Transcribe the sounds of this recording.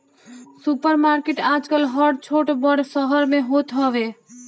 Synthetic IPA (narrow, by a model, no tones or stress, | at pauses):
supəɾmaɾkeʈaːd͡ʒkəlɦəɖ̚t͡ʃʰoʈbəɽsəɦəɾmẽɦot̪ɦɔʋe